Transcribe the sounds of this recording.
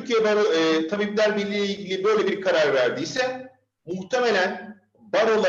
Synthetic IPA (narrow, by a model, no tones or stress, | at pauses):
yɾcʰijɛbaɾoːt̪ʰabiblʲæɾbilʲiːlʲeilʲɟilʲibø̞jlʲebiɾkʰaɾaɾvæɾd̪ijsɛ | muht̪ʰeme̞lʲæn | baɾolˠ